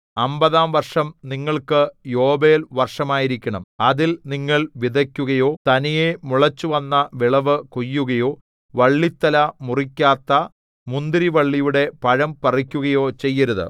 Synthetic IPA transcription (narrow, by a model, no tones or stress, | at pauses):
ɐmbɐðaːmʋɐrʂɐmniŋːɐɭkɨjo̞ːbeːlʋɐrʂɐmaːjiɾikʲːɐɳɐmɐðilniŋːɐɭʋiðɐkʲːuɣɐjo̞ːt̪ɐnijemuɭɐt͡ɕːuʋɐnːɐʋiɭɐʋɨkojːuɣɐjo̞ː | ʋɐɭːit̪ːɐlɐmurikʲːaːt̪ːɐ | mund̪iɾiʋɐɭːijuɽe̞pɐɻɐmpɐrikʲːuɣɐjo̞ːt͡ɕe̞jːɐɾuðɨ̰